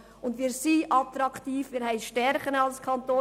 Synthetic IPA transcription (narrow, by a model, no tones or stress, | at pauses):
ʊndʋiːɾsiʔɑt̪ɾɑktiːfmiːɾhɛɪʃtɛɾχəɾɑlskʰɑntoː